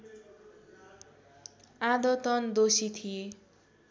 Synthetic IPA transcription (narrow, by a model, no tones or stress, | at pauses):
ad̪ʌt̪ʌnd̪osit̪ʰie